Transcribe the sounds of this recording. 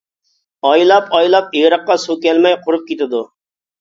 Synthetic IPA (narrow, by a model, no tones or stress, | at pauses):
ɑjlˠɑpɑjlˠɑpiɾəqːɑsukʲɛlmɛjqʰʊɾup̚kʲet̪ɪd̪u